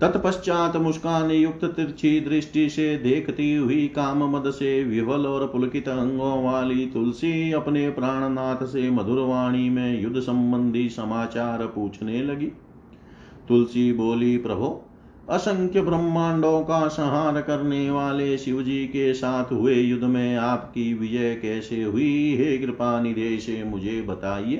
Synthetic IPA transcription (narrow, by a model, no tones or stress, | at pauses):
t̪ɐt̪pɐʃt͡ʃaːt̪mʊskaːnijuk̚t̪ɐt̪iɾt͡ʃʰid̪ɾɪʃʈised̪eːkʰɐt̪iɦuikaːmɐmɐd̪ɐseʋiʋɐlɔːɾpʊlɐkit̪ɐɦɐ̃ŋɡõːʋaːlit̪ulsiɐpneːpɾaːɳ̃ɐnaːt̪ʰɐsemɐd̪ʱuɾʋaːɳ̃imẽjʊd̪ʱsɐmbɐnd̪ʱisɐmaːt͡ʃaːɾpuːt͡ʃʰnelɐɡi | t̪ʊlsiboːlipɾɐbʱu | ɐsɐ̃ŋkʰjɐbɾɐmːaːɳɖõːkasɐɦaːɾkɐɾneʋaːleʃɪʋd͡ʒiːkesaːt̪ʰɦʊejʊd̪ʱːmẽaːpkiʋɪd͡ʒəjkɛːseɦʊiɦeːkɾɪpaːnɪd̪ʱeːʃemʊd͡ʒʱebɐt̪aːieː